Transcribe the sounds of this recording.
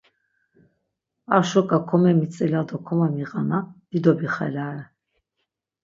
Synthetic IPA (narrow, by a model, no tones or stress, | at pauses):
aʃɔkʼakʰɔmɛmit͡sʼɛlad̪ɔkʰɔmamiʁanad̪̥id̪ɔbiχa̰laɾɛ